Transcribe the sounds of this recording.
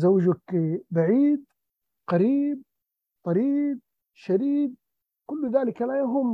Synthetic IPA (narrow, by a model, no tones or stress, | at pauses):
zawːd͡ʒakibaʕiːd̪ | qɑɾiːb̚ | t̪ˤɑɾiːb̪̚ | ʃad̪iːd̪̚ | kʊlːðaːlɪkalajaɦʊm